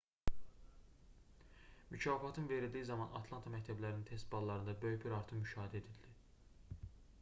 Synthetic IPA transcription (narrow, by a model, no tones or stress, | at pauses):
mycʰɑːfɑt̪ʰɯnve̞ɾild̪ijizɑmɑnʔɑ̰t̪ʰlˠɑnt̪ʰɑmæct̪ʰæblæɾinint̪ʰe̞st̪̚bɑlˠːɑɾɯnd̪ɑbøjybiɾɑɾt̪ʰɯmmyʃɑːɦid̪æed̪ild̪i